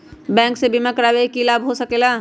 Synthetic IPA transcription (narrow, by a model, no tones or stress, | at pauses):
bɛ̃ːŋksebimakəɾaːwekilaːbɦosəkelaː